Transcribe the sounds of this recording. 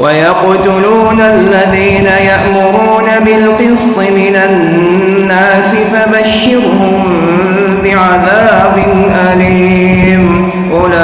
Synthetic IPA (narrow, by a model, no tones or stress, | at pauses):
wʔajɑqʊt̪ʊluːnalːaðiːnajaʔmʊɾuːnabɪlqɨsˤːɪmɪnanː | aːsɪfabaʃːɪɾhʊm | bɪʕaðaːbɪnʔaliː | hɪm | ʔʊla